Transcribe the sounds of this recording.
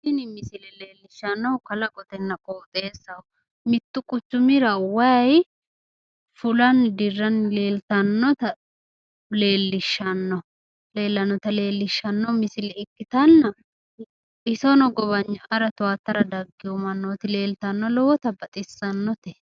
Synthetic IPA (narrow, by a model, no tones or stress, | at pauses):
sɪnɪmɪsɪlɛle̞ːlːɪʃːɐnːɔwkɐlɐkʼɔt̪ɛnːɐkʼoːt̪ʼeːsːɐw | mɪt̪ːʊkʼʊt͡ʃːʊmɪɾɐwɐj | fʊlɐnd̪ɪrːɐnle̞ːlt̪ɐnːɔt̪ɐ | le̞ːlːɪʃːɐnːɔ | le̞ːlːɐnːɔt̪ɐle̞ːlːɪʃːɐnːɔmɪsɪlɛɪkːɪt̪ɐnːɐ | ɪsɔnɔɡɔβɐɲːɐʔɐɾɐt̪ʊaːt̪ːɐɾɐd̪ɐɡːɪjɔmɐnːoːt̪ɪle̞ːlt̪ɐnːɔlɔwɔt̪ɐbɐt̪ʼɪsːɐnːɔt̪ɛ